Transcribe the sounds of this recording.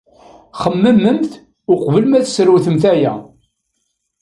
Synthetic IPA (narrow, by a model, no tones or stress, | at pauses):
χəmːəmːəmθ | ʊqvəlmæθsəɾwθəmθæjæ̰